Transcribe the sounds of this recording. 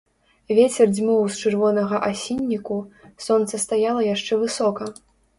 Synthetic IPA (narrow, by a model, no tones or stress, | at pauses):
vʲet͡sʲɛrd͡zʲmʲɔwst͡ʂɨrvɔnɐɣɐʔasʲinʲːikusɔnt̪sɐst̪ajalˠɐjaʂt͡ʂɛvɨsɔkɐ